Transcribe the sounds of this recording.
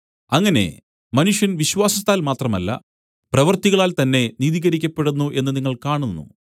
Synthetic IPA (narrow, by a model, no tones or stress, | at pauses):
ɐŋːɐne̞̰ | mɐnuʂjɐnʋiɕwaːsɐst̪aːlmaːt̪rɐmɐ̰lːɐ̰ | prɐʋɐrt̪iɣɐɭaːlt̪ɐnːe̞niːðiːɣɐɾikʲːɐpːe̞ɽunːuʔe̞nːɨniŋːɐɭkaːɳunːṵ